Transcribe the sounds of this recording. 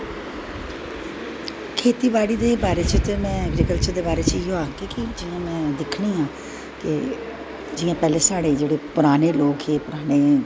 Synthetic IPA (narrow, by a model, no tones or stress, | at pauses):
kʰeːt̪iːbaːɽiːd̪eːbaːɾeːt͡ʃət̪eːmɛ̃ːɛːɡɾiːkəlt͡ʃəɾd̪eːbaːɾeːt͡ʃɪjõaːkiːkid͡ʒɪjãːmɛ̃ːd̪ɪkʰɽĩːãː | kɪ | d͡ʒɪjãːpɛːleːsaːɽeːd͡ʒeːɽeːpʊɾaːneːloːkɦeːpʊɾaːneː